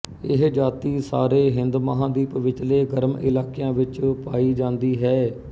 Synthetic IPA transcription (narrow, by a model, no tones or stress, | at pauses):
ɪɦd͡ʒaːt̪iːsa̰ːɾeːɦɪnd̪məɦãːd̪iːpʋɪt͡ʃleːɡəɾmɪlaːkejãːʋɪt͡ʃpaːiːd͡ʒãːnd̪iːɦɛː